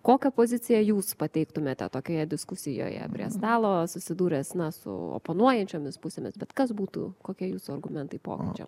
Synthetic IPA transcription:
koːkʲɛpoːzʲɪt͡s̪ʲɪjɛjuːspɐt̪ʲɛɪkt̪ʊmʲeːt̪ʲɛ̰t̪oːkʲoːjɛd̪ʲɪskʊsʲɪjo̰ːjɛ̰pʲɾʲiɛ̰st̪ɑːlˠoːsʊsʲɪd̪uːɾʲeːsnɐsʊ̰o̰ːponuɔjɛnʲt͡ʃʲoːmʲɪspʊsʲeːmʲɪsbʲɛt̪kɐsbuːt̪ṵkoːkʲiɛjuːsʊɐrɡʊmʲɛnt̪ɐɪpo̰ːkʲɪt͡ʃʲɛ̰

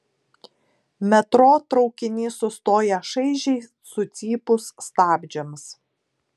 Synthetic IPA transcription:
mʲɛt̪ɾoːt̪ɾɒʊkʲɪnʲiːsʊst̪oːjɛʃɐɪʒʲɛɪ | sʊt̪sʲiːpʊsːt̪ɑːbʲd͡ʒʲɛms

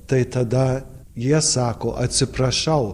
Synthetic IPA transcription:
t̪ɐɪt̪ɐd̪ɐ | jiɛsɑːkoːʔɐt̪ʲsʲɪpɾɐʃɐʊ

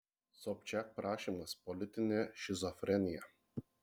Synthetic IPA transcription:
sɔp̚ʲt͡ʃʲɛk̚pɾɑːʃʲiːmɐspɔlʲɪt̪ʲɪnʲeːʃʲɪzɔfʲɾʲɛnʲɪjɛ

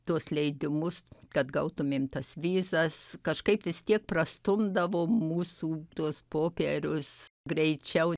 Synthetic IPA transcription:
t̪uɔslʲɛɪd̪ʲɪmʊskɐt̪ɡɐʊt̪ʊmʲeːmt̪ɐsʋʲiːzɐskɐʃkɐɪpʋʲɪst̪ʲiɛk̚prɐst̪ʊmd̪ɐʋoːmuːsuːt̪uɔspoːpʲɛɾʲʊsɡɾʲɛɪt͡ʃʲɛʊ

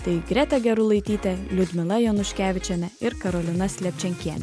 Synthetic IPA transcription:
t̪ɐɪɡɾʲæt̪ʲɛɡʲɛɾʊlˠɐɪt̪ʲiːt̪ʲɛlʲʊd̪ʲmʲɪlˠɐjonʊʃʲkʲæːʋʲɪt͡ʃʲɛnʲɛɪɾkɐɾolʲɪnɐsʲlʲɛpʲt͡ʃʲɛŋʲkʲiɛnʲɛ

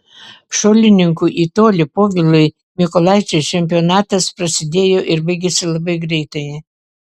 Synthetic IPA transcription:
ʃolʲɪnʲɪŋkuʔit̪oːlʲɪpoːvʲɪlˠɐɪ | mʲɪkolˠɑjt͡ʃʲɛt͡ʃʲɛmʲp̬ʲionɑːt̪ɐspɾɐsʲɪd̪ʲeːjoʔɪɾbɐɪɡʲesʲɪlˠɐbɐɪɡɾʲɛɪt̪ɐɪ

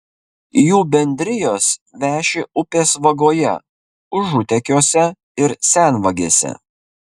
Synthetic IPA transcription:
juːbʲɛnʲd̪ʲɾʲɪjoːsʋʲæːʃʲeʔʊpʲeːsʋɐɡoːjɛ̰ | ʊʒʊt̪ʲɛkʲoːsʲɛ | ɪɾsʲænʋɐɡʲeːsʲɛ̰

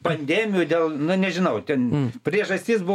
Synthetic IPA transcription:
pɐnʲd̪ʲæːmʲɪjuːd̪ʲeːlˠnʊnʲɛʒʲɪnɐʊt̪ʲɛnpʲɾʲiɛʒɐsʲt̪ʲɪsbʊ

